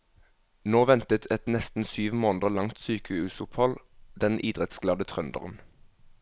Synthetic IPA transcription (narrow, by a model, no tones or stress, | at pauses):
noːʋɛnt̪ət̪ʰɛt̪nɛst̪n̩syːʋmoːnd̪əlɑŋt̪syːkəʉːsʊphɔld̪ɛnʔiːd̪ʁɛt̪sɡlɑːd̪ət̪ʰʁœnd̪ə̰ʁən̩